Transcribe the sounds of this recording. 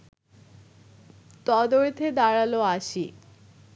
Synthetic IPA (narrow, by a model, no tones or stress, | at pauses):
t̪ɔd̪oɾt̪ʰed̪aɽaloaʃi